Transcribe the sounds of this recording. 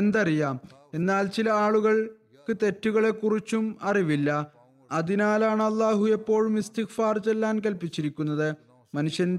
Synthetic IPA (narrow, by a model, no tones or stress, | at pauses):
end̪ɐrijaːme̞nːaːlt͡ɕilɐaːɭuɣɐɭ | kɨt̪e̞tːuɣɐɭe̞kːurit͡ɕːumɐriʋilːɐ | ɐðinaːlaːɳɐlˠːaːɦujepːo̞ːɭmist̪ixfaːrt͡ɕe̞lːaːnk̬ɐlpit͡ɕːiɾikʲːunːɐðɨ | mɐnuʂjɐn